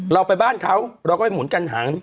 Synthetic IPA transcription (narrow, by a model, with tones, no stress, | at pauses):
ɾa˧wpa˧jbaː˥˩nkʰa˦˥wɾa˧wkɔː˥˩a˧˩mu˩˦nka˧nɦaː˩˦n